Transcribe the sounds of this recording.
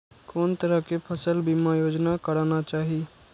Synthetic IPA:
koːnt̪əɾəɦkepʰəsəlbʱimajoːd͡ʒnakəɾaːnat͡ʃaːɦi

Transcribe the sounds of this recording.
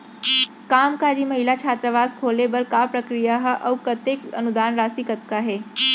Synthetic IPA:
kaːmkaːd͡ʒimɐɦɪlat͡ʃʰaːt̪ɾəʋaːskʰoːlebɐɾkapɾɐkɾijaɦʔɐwkət̪ekɐnud̪aːnɾaːsikɐt̪kaɦɛː

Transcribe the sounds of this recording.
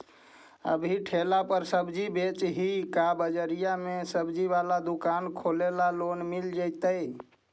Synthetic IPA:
ə̰bʱiʈʰelapəɾsəbd͡ʒibet͡ʃɦikabəd͡ʒəɾijamesəbd͡ʒiʋalad̪ukankʰolelalonmild͡ʒəjt̪əj

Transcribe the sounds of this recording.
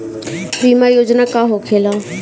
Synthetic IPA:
biːmajoːd͡ʒnaːkaːɦokʰeːlã

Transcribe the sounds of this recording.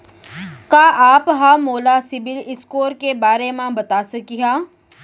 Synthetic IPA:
kaːʔaːpɦãːmoːlaːsɪbɪlɪskoːɾkebaːɾemãbɐt̪aːsɐkiɦãː

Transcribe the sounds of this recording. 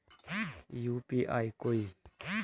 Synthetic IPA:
juːpiʔa̰ikoi

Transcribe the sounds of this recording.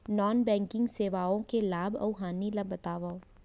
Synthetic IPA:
nɔːnbɛ̃ːŋkɪ̃ŋɡseːʋaːõkelaːbɐ̰wɦaːnilɐbɐt̪aːʋao

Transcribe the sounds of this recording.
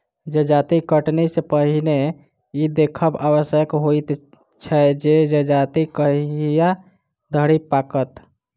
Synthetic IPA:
d͡ʒəd͡ʒat̪ikəʈnisepəɦine | id̪ekʰəbaβəsjəkɦojt̪ | t͡ʃʰɛd͡ʒed͡ʒəd͡ʒat̪ikəɦja | d̪ʱəɽipakət̪

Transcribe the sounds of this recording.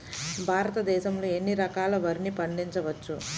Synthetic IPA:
bʱaːɾɐt̪ɐd̪ɛːʃɐmlo̞ːe̞nːiɾɐkaːlɐʋɐɾinipɐɳɖiɲt͡ʃɐʋɐt͡ʃːu

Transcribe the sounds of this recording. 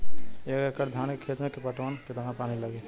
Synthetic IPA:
eɡekəɾd̪ʱjankekʰːet̪mekepəʈʋənket̪əɦãpaniləɡɛt̪

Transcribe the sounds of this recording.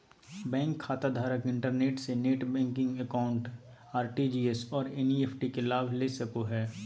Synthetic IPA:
bɛ̃ːŋkʰːaːt̪ad̪ʱaːɾəkɪ̃ɳʈəɾneːʈseneːʈbɛ̃ːŋkɪ̃ŋɡəkaːʊ̃ɳʈ | aːɾʈid͡ʒiːesɔːɾenieːpʰʈikelaːbʱleːsɐkoɦɛː

